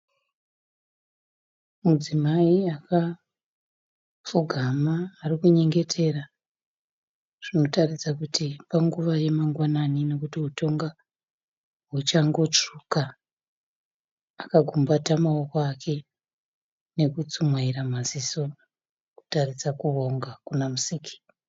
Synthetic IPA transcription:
mud͡zimaiaka | fuɡʱamaːrikuɲe̞ŋɡe̞tʰe̞ra | ʐ̥ino̞tarisakutipaŋɡuʋaje̞maŋɡwananino̞kutiɦuto̞ŋɡa | ɦut͡ʃaŋɡo̞t͡ʂuka | kaɡʱumbatamaokoakʰe̞ | ne̞kut͡sumwaiɾamasiso̞ | ku̥tarisakuo̞ŋɡakunamusikʰi̥

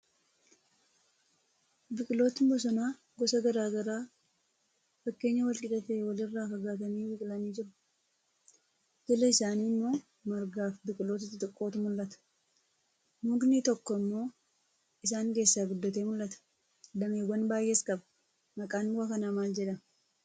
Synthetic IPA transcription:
bɪkʼɪlo̞ːt̪ɪbɔs̬ɔnaː | ɡɔsɐɡɐɾaːɡɐɾaː | fɐkːe̞ːɲːɐwɐlkʼɪᶑɐt̪eːwɐlɪrːaːkɐɡaːt̪ɐniːbɪkʼɪlɐniːd͡ʒɪɾʊ̥ | hɛlɐɪsaːniːmːo̞ː | mɐɾɡaːfbɪkʼɪlo̞ːt̪ɪt̪ːɪt̪ʼɪkʼːo̞ːt̪ʊmʊlːɐt̪ɐ̥ | nuːɡnit̪ɔkːɔɪmːo̞ː | ɪs̬aːŋke̞ːsːaːɡʊd̪ːɐt̪eːmʊlːɐt̪ɐ̥ | d̪ɐmeːwɐnbaːjːʔeːskʼɐbɐ̥ | mɐkʼaːnbʊɐkɐnaːmaːld͡ʒɛᶑɐm

